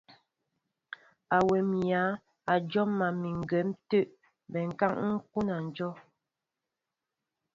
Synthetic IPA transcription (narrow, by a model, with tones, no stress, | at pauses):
a˨wɛ˨m˨ja˨˦ | a˨d͡ʒɔ˦mːa˨mi˨ŋ˨ɡɛ˨˦mtə˦ʔ | bɛ˨ŋ̩˨ka˦ŋŋ̩˦ku˦na˨n̩˨d͡ʒɔ˦